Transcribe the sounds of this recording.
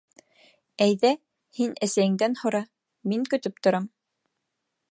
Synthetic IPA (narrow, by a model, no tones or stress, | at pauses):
æjðæ | hinæsæjɘ̆ŋd̪ænhŏɾɑ | miŋkɵ̆t̪ɵp̚t̪ŏɾɑm